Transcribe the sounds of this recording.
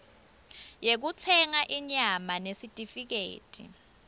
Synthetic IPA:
jek̬ut͡sʰɛŋaʔiɲamanesitʼifik̬ḛːtʼḭ

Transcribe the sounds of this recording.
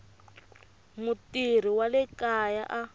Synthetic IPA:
mutir̤iwalɛkajaʔa

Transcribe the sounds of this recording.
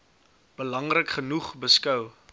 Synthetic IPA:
b̥əlɐŋrəkχənuχbəskœw

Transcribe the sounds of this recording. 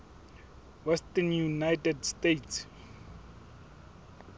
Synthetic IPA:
wɛstɛnjunajtɛdstejtʰs

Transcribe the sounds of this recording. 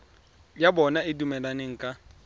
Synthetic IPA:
jabɔnaɪdumɛlaneŋ̩kʼa

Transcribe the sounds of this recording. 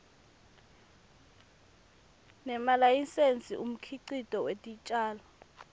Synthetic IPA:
nɛmalajinsend͡zʱiʔum̩kʰiǀitʼɔwetʼit͡ʃʼaːlɔ

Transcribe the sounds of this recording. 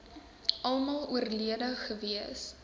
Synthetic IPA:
ɐlˠmɑlˠuərliədəχəviəs

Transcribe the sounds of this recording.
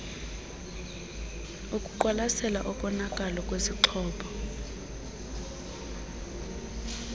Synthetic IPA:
okʼuǃwalasɛla̰ʔɔɓɔnakʼalɔk̬ʼweziǃʰɔːɓɔ

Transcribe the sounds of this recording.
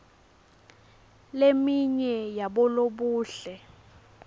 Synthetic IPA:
lemiɲɛjaɓɔloɓuːɬɛ

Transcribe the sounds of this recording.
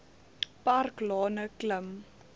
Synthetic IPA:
parklɑːnəkləm

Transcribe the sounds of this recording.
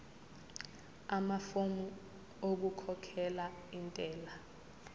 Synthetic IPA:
amafomu | oɓukʰɔkʰɛlaintʼɛːla

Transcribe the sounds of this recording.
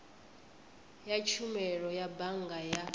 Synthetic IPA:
jat͡ʃʰumɛɺɔjabaŋɡaja

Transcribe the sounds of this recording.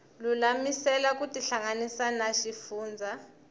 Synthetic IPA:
lulamisɛlak̬ʼutʼiɬaŋanisanaʃifuːnd͡zʱa

